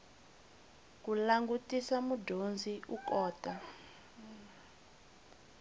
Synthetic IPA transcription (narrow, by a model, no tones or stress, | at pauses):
k̬ulaŋɡutʼisamudʱond͡zʱiʔukɔːtʼa